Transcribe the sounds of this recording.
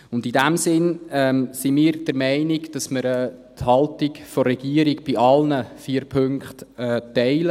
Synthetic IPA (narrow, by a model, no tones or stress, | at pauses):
ʊndidæmsɪnɛːmsimiːɾd̥əɾmæɪniɡd̥ɑsməɾɛthɑlˠtiɡfɔɾɛɡ̥iəɾiɡb̥iɑlnəfiːəɾpʰɵŋkχtɛːtɛɪlə